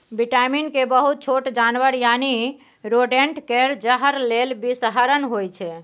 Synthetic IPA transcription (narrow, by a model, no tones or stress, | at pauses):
biʈaminkebəɦut̪̚t͡ʃʰoʈd͡ʒanʋəɾjani | ɾoɖeɳʈkeɾd͡ʒəɦəɾlelbisɦaɾənɦojt͡ʃʰɛ